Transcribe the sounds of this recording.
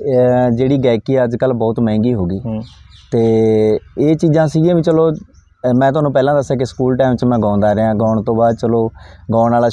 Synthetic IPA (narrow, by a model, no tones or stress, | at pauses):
d͡ʒeːɽiːɡɛːkiːɛːəd͡ʒkəlbɔːt̪mɛ̃ːŋɡiːɦoːɡiːt̪eː | eːt͡ʃiːzãːsiːɡãːʋĩːt͡ʃəloː | mɛ̃ːt̪ʊɦaːnũːpɛːlãːd̪əsãːk̬ɪskuːlʈɛːmt͡ʃmɛ̃ːɡãːnd̪aːɾeãːɡaːɳt̪õːbaːd̪̚t͡ʃəloːɡaːnaːlaː